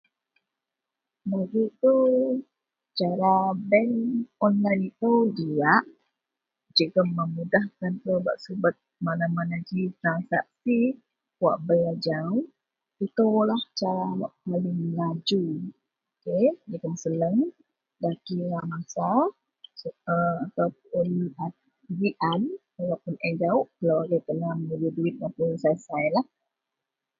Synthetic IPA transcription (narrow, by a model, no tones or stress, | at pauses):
baɡit̪u | t͡ʃaɾabɛnɔnlajnit̪əwd͡ʒiaʔ | d͡ʒikaməmudahkant̪əba̰ʔsubət̪̚manamanad͡ʒit̪ɾansak̚si | wa̰ʔbəlad͡ʒaw | it̪əwlaht͡ʃaɾawaʔpalɪŋlad͡ʒu | okedikəmsələŋ | dakiɾamasa | əat̪awp̚ʊna | ɾiʔan | alapʊnɛnd͡ʒaʊʔkəlawaɡajt̪əlamənəɾiduɪt̪̚japusasajlah